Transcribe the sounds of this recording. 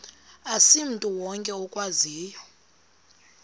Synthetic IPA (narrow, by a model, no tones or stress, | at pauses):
asim̩tʼuwɔŋkʼɛɔkʼwaziːjɔ